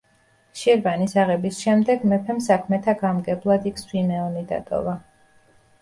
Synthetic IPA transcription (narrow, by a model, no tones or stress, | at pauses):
ʃiɾbanisaʁɛbisʃɛmd̪ɛɡmɛpʰɛmsakʰmɛt̪ʰaɡamɡɛblˠad̪ikʰswimɛɔnid̪a̰t̪ʼɔ̰va